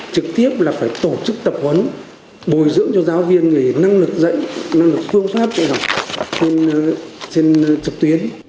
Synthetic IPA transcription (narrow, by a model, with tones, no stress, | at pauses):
t͡ɕɨ˨˩k̚t̪i˦˥əp̚laː˨˩faː˧˩jt̪o˧˩t͡ɕɨ˦˥k̚t̪ə˨˩p̚hwə˨˦n | ɓo˨˩jzɨ̰˧˥əŋt͡ɕɔ˧zaː˨˦wvi˧ənŋi˨˩na˧ŋlɨ˨˩k̚zə̰˧˨jna˧ŋlɨ˨˩k̚sɨ˧əŋswaː˦˥t̚t͡ɕɔ˧za˨˩we˧nt͡ɕe˧nt͡ɕɨ˨˩k̚t̪wi˨˦ən